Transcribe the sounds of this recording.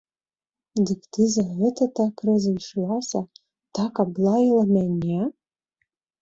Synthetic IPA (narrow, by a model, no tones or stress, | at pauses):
dɨkt̪ʰɨzaɦɨtʰatʰakʰrɨzɨjʂwasa | tʰakablajlˠamanʲa